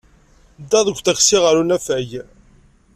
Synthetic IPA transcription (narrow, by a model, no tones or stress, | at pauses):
d̪ːɑðˤəɡʷθəxsiʁəɾunæfæʝ